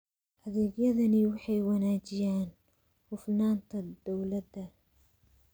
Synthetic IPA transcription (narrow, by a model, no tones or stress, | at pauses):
ʔɐðɛːɡjɐðɐnɪwɑħɑjwɐnaːt͡ʃɪjaːn | hʊfnaːnt̪ʰɐd̪ɔwlɐd̪ɐ